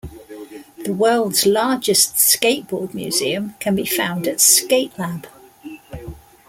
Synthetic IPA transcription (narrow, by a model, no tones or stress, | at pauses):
ðəwɜːlˠdz̥lɑːd͡ʒɪstskeɪʔb̥ɔːd̚mjʉ̰ːz̥ḭə̃mkʰə̃nbifãʊ̃ndətskeɪʔlab̥